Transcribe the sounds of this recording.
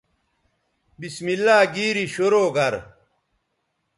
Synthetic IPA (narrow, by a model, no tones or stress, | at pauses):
bismilːaːɡiːɾiɕoɾoːɡɐɾ